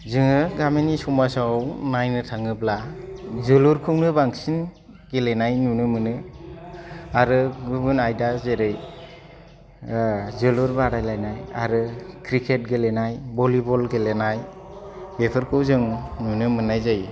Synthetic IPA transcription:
zɯŋɯɡaminisɔmasawnajnɯtʰaŋɯplazɯluɾkʰɯwnɯbaŋsin | ɡelenajnunɯmɯnɯ | aɾɯɡɯbɯnajdazeɾɯj | zɯluɾbaɾajlajnaja̰ɾɯkʰɾikʰet̚ɡelenajbɔlibɔlɡelenaj | bepʰɯɾkʰɯwzɯŋnunɯmɯnajzaj

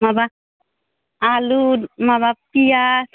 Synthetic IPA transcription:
maba | aludmaβapijas

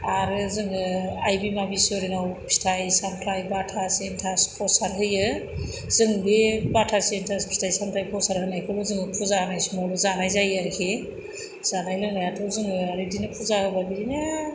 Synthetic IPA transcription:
aɾɯzɯŋɯajbimabisɔɾinawpʰi̥tʰajsampʰɾajbatʰasentʰaspʰɔsaɾɦɯjɯ | z̥ɯŋbebatʰasentʰaspʰi̥tʰajsampʰɾajpʰɔsaɾɦɯnajkʰɯlozɯŋɯpʰuzanajsumawluzanajzajaɾikʰe | z̥anajlɯnajatʰɯwzɯŋɯaɾidinɯpʰuzahɯbabiɾinɯ

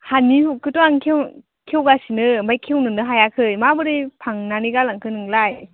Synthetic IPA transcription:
haniukɯtɔaŋkʰew | kʰewɡasinɯmajkʰewnɯnɯɦajakʰɯjmabɯɾipʰaŋnaniɡalaŋkʰɯnɯŋlaj

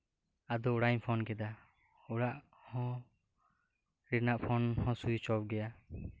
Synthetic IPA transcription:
ad̪ɔuɽaɲpʰɔnkɛd̪a | uɽaʔ | hɔ̃ | ɾiɾnaʔpʰɔnhɔ̃sujt͡ʃɔp̚ɡɛja

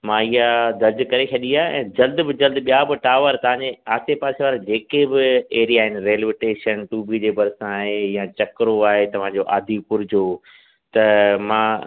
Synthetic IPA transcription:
mãːiɦad̪ɐɾd͡ʑkɐɾet͡ɕʰɐɗiaːɛ̰̃ːd͡ʑɐld̪bɪd͡ʑɐld̪ɓijabɪʈaːʋəɾt̪ɐʋ̤ãːɲd͡ʑeaːt̪epaːseʋaːɾad͡ʑeːkebɪeːɾijaːɦɪnɪ̆ɾeːlɪʋɪʈeːʃənʈuːbʱid͡ʑeːbɐɾsãaːɦejãt͡ɕɐkɾoaːɦet̪ɐʋ̤ãd͡ʑoʔa̰ːd̪ʱipʊɾd͡ʑoː | t̪ɐmãː

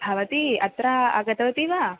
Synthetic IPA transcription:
bʱaʋɐt̪iɐt̪ɾaa̰ɡɐt̪ʋɐt̪iʋa

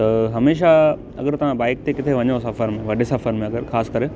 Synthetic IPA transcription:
t̪ɐɦɐmeːʃ̬a | ɐ̰ɡəɾt̪ɐʋ̤ãbaːɪk̚t̪ekɪt̪ʰeʋɐɲjosɐfəɾmẽʋɐɖesɐfəɾmẽɐɡəɾxaːskɐɾe

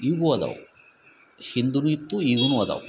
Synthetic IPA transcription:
iɡuɐd̪ɐ̰w | ʃind̪unuit̪ːuiɡunuɐd̪ɐ̰w

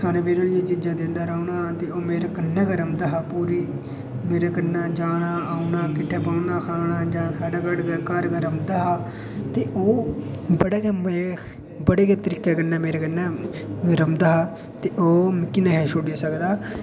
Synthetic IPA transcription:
kʰaːneːʋeːɾəld͡ʒiːd͡ʒɪd͡ʒaːd̪ɪ̃nd̪aːɾaːɳaːt̪eːoːmeːɾeːkənːɛ̃ːkəɾəmd̪aːɦaːpuːɾiː | meːɾeːkənːaːd͡ʒaːnaːaːunaːkɪʈʰːeːpaːnaːkʰaːnaːd͡ʒãːsaːɖaːkəɽɡkəɾɡəɾəmd̪aːɦaː | t̪eːʔoːbəɽeːkem | bəɽeːket̪əɾiːkɛːkənːɛːmeːɾeːkənːɛːɾəmd̪aːɦaː | t̪eːʔoːmɪkːineːɦɛːʃoːɖiasəkd̪aː

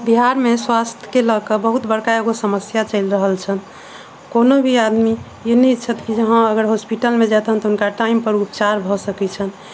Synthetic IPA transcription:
biɦaɾmeswast̪ʰjə̥keləkəbəɦut̪bəɽkaeɡosəməsjat͡ʃəɪlɾəɦəlt͡ʃʰən | konobʱiad̪mi | jenit͡ʃʰət̪kid͡ʒəɦãəɡəɾɦospiʈəlmed͡ʒat̪ɦənt̪ɔɦunkaʈaimpəɾupt͡ʃaɾbʱɔsəkɛt͡ʃʰən

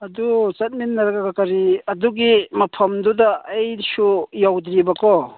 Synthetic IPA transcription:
ɐdut͡ʃɐt̚minːɐɾaɡakakaɾiɐduɡimɐpʰɐmd̪udaːjsujawd̪ɾibakʰɔ

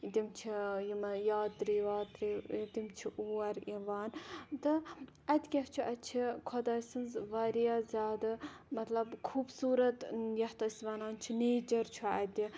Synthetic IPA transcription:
d̪ʲimt͡ʃʰijimɐjaːt̪ɾiʋaːt̪ɾid̪ʲimt͡ʃʰiʔuːɐɾiʋaːnt̪ɨ | ɐd̪ʲkʲɐft͡ʃʰuʔɐt͡ʃʰikʰɔd̪ɐɾsɨnzʋaɾiazʲaːd̪ɐmɐt̪lɐbkʰuːbsuːɾɐt̪jɐht̪ɐsʲʋaːnaːnt͡ʃʰineːd͡ʒɐɾt͡ʃʰuɐd̪ʲi

